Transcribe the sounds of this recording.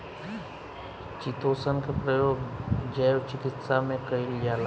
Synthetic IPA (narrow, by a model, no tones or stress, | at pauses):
t͡ʃit̪oːsənkepɾəjoːɡd͡ʒəjwt͡ʃɪkɪt̪samẽkəilijaːla